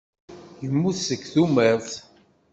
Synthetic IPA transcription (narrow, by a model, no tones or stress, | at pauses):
jəmːuθsəkːθumɛɾθ